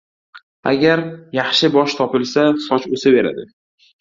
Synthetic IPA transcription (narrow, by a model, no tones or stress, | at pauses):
a̰ɡʲaɾjaχʃɪbɒʃt̪ʰɒpɪlsasɒt͡ʃɵsɪbe̞ɾa̰d̪ɪ